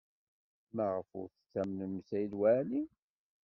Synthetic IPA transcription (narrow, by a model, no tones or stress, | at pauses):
mæʁəfʊ̰ɾθθæmnəmsæjlwæli